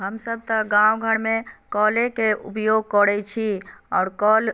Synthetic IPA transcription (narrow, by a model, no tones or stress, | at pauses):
ɦəmsəb̚t̪ə̃ɡãwɡʱəɽmekɔlekeṵpjoɡ̚kəɾɛt͡ʃʰiɔːɾkɔl